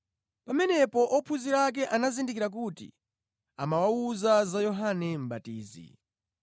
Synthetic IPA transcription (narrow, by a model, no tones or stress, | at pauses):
pamɛnɛpɔʔɔpʰuziɾak̬ɛʔanazindik̬iɾak̬utḭ | amawauzazajɔɦanɛm̩batiːzḭ